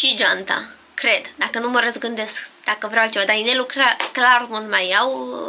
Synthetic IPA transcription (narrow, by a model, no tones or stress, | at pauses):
ʃid͡ʒant̪a̰ | kɾe̞d̪d̪akənuməɾəzɡɨnd̪e̞skd̪̥akəvɾeawat͡ʃevad̪ainelukɾaklarmulmajaw